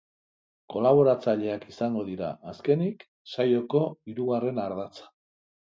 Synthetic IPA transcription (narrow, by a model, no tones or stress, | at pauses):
ko̞laβ̞o̞ɾat͡saʎe̞akisaŋɡo̞ðiɾa̰aske̞nik | sajo̞ko̞iɾuɣare̞naɾð̞at͡sḁ